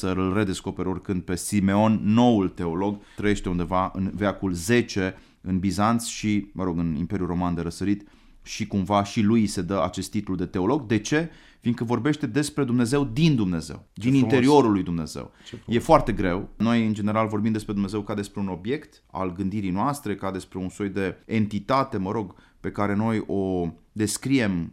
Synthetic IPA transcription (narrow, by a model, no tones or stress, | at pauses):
səɨlre̞d̪e̞sko̞peɾo̞rkɨnd̪̚pe̞sime̞o̞nːo̞ult̪e̞o̞lo̞ɡt̪ɾəje̞ʃt̪e̞und̪e̞vaɨ̰nveakulze̞t͡ʃe̞ | ɨnbizant̪sʃiməɾo̞ɡɨnḭmpe̞ɾjuro̞mand̪e̞ɾəsəɾit̪ | ʃikumvaʃilujse̞d̪əa̰t͡ʃe̞st̪ːit̪ulud̪e̞t̪e̞o̞lo̞ɡd̪e̞t͡ʃe̞ | finkəvo̞rbe̞ʃt̪e̞d̪e̞spɾe̞d̪umne̞ze̞wd̪ind̪umne̞ze̞̰wd̪inint̪eɾio̞ɾulːujd̪umne̞̰zḛwje̞foart̪e̞ɡɾe̞wno̞jɨnd͡ʒe̞neɾalvo̞rbimd̪espɾe̞d̪umne̞zewkad̪e̞spɾeuno̞bje̞kt̪ | a̰lɡɨnd̪iɾijnoast̪ɾe̞kad̪e̞spɾe̞unso̞jd̪e̞ent̪it̪at̪e̞məɾo̞ɡ | pe̞kaɾe̞no̞jo̞d̪e̞skɾie̞m